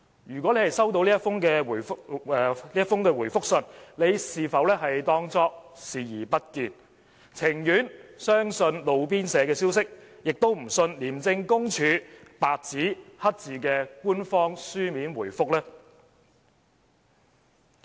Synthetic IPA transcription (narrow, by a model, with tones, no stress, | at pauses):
jyː˨k̬wɔː˨˥le˨˧hɐ˨˩jsɐ˥wt̪o˧wli˥ɐ˥tfʊ˥ŋkɛː˧u˨˩jɛː˨˧liː˥jɐ˥tfʊ˥ŋkɛː˧wuː˨˩jfʊ˥k̚sɵ˧nle˨˧jsiː˨˩fɐ˨wlɛː˥ɦɐ˨jt̪ɔː˥ŋt͡sɔː˥k̚siː˨jiː˨˩pɐ˥t̚kiː˧n | t͡sʰɪ˨˩ŋjyː˨˥nsœː˥ŋsɵ˧nlo˨˧wp̬iː˥nsɛː˨˧kɛː˧siː˥wsɪ˥k̚jɪ˨k̚t̪o˥wm̩˨˩sɵ˧nliː˨˩mt͡sɪ˧ŋkʊ˥ŋt͡ʃʰyː˨˧paː˨k̚t͡siː˨˥hɐ˥t̚t͡siː˨˩kɛː˧kuː˥nfɔː˥ŋsyː˥miː˨˥nwuː˨˩jfʊ˥k̚lɛː˥